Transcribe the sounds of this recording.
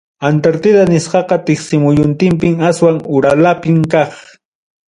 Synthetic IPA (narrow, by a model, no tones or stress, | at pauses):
ant̪aɾt̪ɪd̪anɪsqɑqɑt̪ɪχsɪmʊjʊnt̪ɪmpɪmaswaŋʊɾalapɪmkɑχ